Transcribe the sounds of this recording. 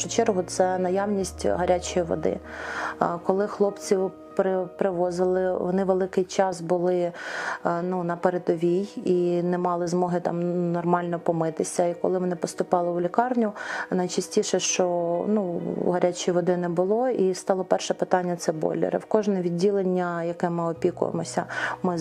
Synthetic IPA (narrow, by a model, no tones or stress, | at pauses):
ʃʊt͡ʃɛrɦʊt̪sɛnɐjɑwnʲisʲtʲɦɐɾʲat͡ʃɔjiʋɔ̰d̪ɪ̰ | kɔlˠɪxlˠɔpt͡sʲiw | pɾɪpɾɪʋɔzɪlˠɪʋɔ̰nɪʋelˠɪkɪjt͡ʃɑsbʊlˠɪ | nunɐpeɾed̪ɔʋʲijinɛmɑlˠɪzmɔɦɪt̪ɑ̰mnɔrmɑlʲnɔpɔmɪt̪ɪsʲɐikɔlˠɪʋɔnɪpɔst̪ʊpɑlˠɪʊlʲikɑrnʲʊnɐjt͡ʃɐsʲtʲiʃɛʃt͡ʃɔnuɦɐɾʲat͡ʃijʋɔd̪ɪnɛbʊlˠɔist̪ɑlˠɔpɛrʃɛpɪt̪ɑnʲːɐt̪sɛbɔ̰lʲɪ̰ɾɪ̰wkɔʒnɛʋʲidʲːilˠenʲːɐjɐkɛmɪɔpʲikʊ̰jḛmɔsʲɐmɪ